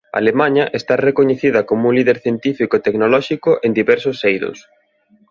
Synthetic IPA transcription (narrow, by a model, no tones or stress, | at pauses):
a̰lemãɲɐʔest̪arekoɲeθiðɐkomuŋliðeɾθjent̪ifikoet̪eknolɔʃikʊʔend̪iβɛɾsʊsejɾʊ̰s